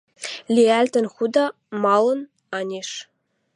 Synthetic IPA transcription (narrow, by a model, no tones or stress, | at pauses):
lʲiælʲt̪ɘ̆nxud̪ɑ | mɑlˠɤ̆n | ɑnʲeʃ